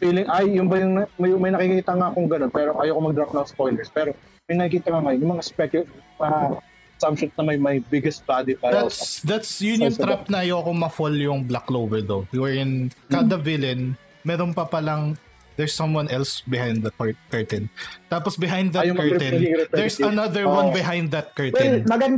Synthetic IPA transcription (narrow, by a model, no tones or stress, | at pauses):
fiːlɪŋʔajːʊnbɐjʊŋɐmɐjmɐjnɐkikiːt̪ɐŋakʊŋɡɐnonpɛːɾoʔɐjoːkomɐɡ̚d̪ɾap̚nɐŋspojlɛɹspɛːɾo | mɐjnɐkikiːt̪ɐŋaŋajonjʊŋmɐŋaspɛkʊ | ɐ | samʃʊt̪̚nɐmɐjmɐjbɪɡɛst̪̚bad̪ipaɾd̪at̪sd̪at̪sjʊnjʊŋt̪ɾap̚nɐʔɐjoɐkomɐfoljʊŋblaklowvɛɹd̪owuwɛɹɪnkad̪ɐvɪlɐn | mɛːɾonpɐpɐlɐŋ | d̪ɛɹsːɐ̃mwɐ̃nɛlsbɪhãj̃nd̪d̪ɐkkɐɹt̪ɛnt̪aːposbɪɦãj̃nd̪ðɐjʊkɐɹɛ̃nid̪ɛɹsɐnɐðəɹwɐ̃nbɪɦãjnd̪ːɐt̪̚kɐɹt̪ɛmɐɡɐ